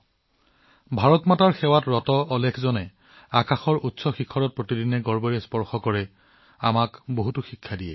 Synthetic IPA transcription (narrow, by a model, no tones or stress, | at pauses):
bʱaɹɔtmataɹxɛwatɹɔtɔʔːlɛkʰzɔnɛ | akaxɔɹutsɔxikʰːɔɹɔt̚pɹotidinɛɡɔɹbɔɹɛspɔɹxɔkɔɹɛ | a̰makboɦutuxikʰːadijɛ̰